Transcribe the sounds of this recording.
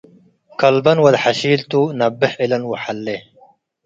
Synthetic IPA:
kɐlbɐnwɐd̪ħaʃiːlt̪unɐbːɪħʔɪlɐnwaħalːe

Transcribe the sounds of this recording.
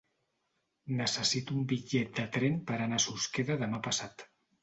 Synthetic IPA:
nəsəsit̪uumbiʎɛt̪̚d̪ət̪ɾempəɾanasuskeðəðəmapəsat̪

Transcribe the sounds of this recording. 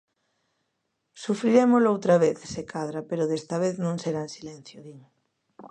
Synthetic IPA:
sufɾiɾemolowt̪ɾɐβeθsekʰaðɾɐpeɾoðest̪ɐβ̞eθnõŋseɾansilen̟θjoðiɲ

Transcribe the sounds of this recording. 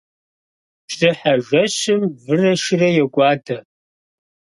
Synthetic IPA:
psɨħaʒʷɐɕɪmvɨrɐʃɪrɐjɛɡʷʼɑːdʰɐ

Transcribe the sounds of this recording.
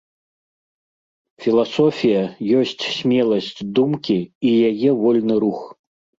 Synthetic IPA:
fʲilˠasɔfʲijɐjɔsʲt͡sʲsʲmʲɛlˠɐsʲt͡sʲd̪umkʲiːjajɛvɔlʲnɨɾux

